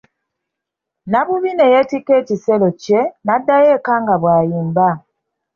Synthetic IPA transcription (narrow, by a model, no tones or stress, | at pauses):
naβuβine̞jetikːeːciselocenadːajeːkaːŋɡaβwaːjiːmba